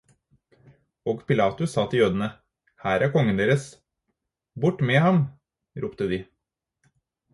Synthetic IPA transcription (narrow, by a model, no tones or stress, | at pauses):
oːɡpʰɪlɑːt̪ʉssɑːt̪ʰɪljøːd̪ənə | hæːɾæɾkʰɔŋːənd̪eːɾəs | bʊʈːmeːhɑm | ɾʔuːpt̪əd̪ɪː